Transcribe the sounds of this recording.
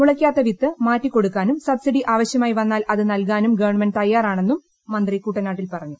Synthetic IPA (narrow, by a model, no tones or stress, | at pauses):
muɭɐkʲːaːt̪ːɐʋit̪ːɨmaːtːikːo̞ɽukːaːnumsɐbsiɽiʔaːʋɐɕjɐmaːjiʋɐnːaːlɐðɨnɐlk̬aːnumɡɐʋɐɳmɐnt̪ɐjːaːraːɳe̞nːumː | ɐnd̪rikːuːʈːɐnaːʈːilpɐrɐɲːu